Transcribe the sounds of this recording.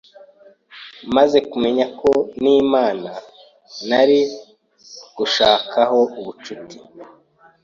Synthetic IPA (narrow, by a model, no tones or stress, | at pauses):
maze̞kume̞ɲakʰo̞niːmaːna | naɾi | ɡ̥uʃaːkʰaɦo̞uβut͡ʃuti̥